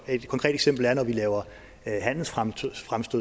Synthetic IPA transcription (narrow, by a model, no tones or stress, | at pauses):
e̝d̥kʰɒ̽ŋkʰʁɛ̰ːd̥e̥ɡsem̰b̥l̩æɐnɒʋilɛːʊɐ | ɦæn̰l̩sffʁamsd̥o